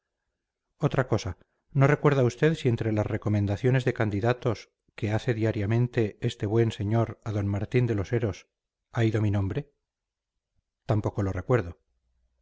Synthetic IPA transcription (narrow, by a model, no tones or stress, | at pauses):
o̞t̪ɾako̞sa | no̞re̞kwe̞ɾðaust̪e̞ðsie̞nt̪ɾe̞lasre̞ko̞mẽnd̪aθjo̞ne̞zðe̞kand̪iðat̪o̞s | ke̞aθe̞ðiaɾjamẽ̞nt̪e̞est̪e̞βwe̞nse̞ɲo̞ɾaðo̞nmaɾt̪ind̪e̞lo̞se̞ɾo̞s | aiðo̞minõmbɾe̞ | t̪ampo̞ko̞lo̞re̞kwe̞ɾðo